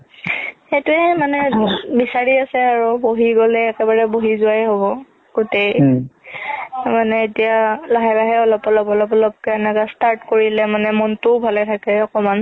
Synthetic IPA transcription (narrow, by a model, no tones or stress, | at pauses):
xetʊɛmanɛbisaɹiasɛaɹuboɦiɡɔlɛːkɛbaɹɛboɦizʊajɦoβɔ | ɡ̥otej | manɛetijalaɦɛbaɦɛɔlɔpɔlɔpɔlɔpɔlɔp̚kɛɛnɛkastaɹtkoɹilɛmanɛmɔntʊbʱalɛtʰakɛɔkɔman